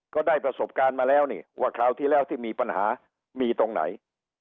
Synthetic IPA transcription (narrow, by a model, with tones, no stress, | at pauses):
kɔː˥˩daː˥˩jpɾa˧so˨˩p̚kaː˧nmaː˧lɛː˦˥˩wniː˧˩wʔaː˥˩kʰlaː˧˩wt̪ʰiː˥˩lɛː˦˥˩wt̪ʰiː˥˩miː˧pa˧nha̰ː˩˦ | miː˧t̪o˧ŋna̰˩˦j